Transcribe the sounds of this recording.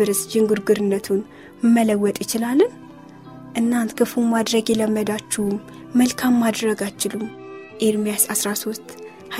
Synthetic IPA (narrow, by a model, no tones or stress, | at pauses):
ɨɾɨsd͡ʒɪŋɡuɾɡɨɾɨnːət̪ʰun | mːələwːɔt̪ʼjɪt͡ʃɪlalːɨ | ʔɨnːant̪kʰɨfummad̪ɾəɡjɛləmːəd̪at͡ʃːɛhumː | əlkʰamːad̪ɾəɡajt͡ʃːɪlum | ʔeɾmijasasɾaso̞st̪ | ha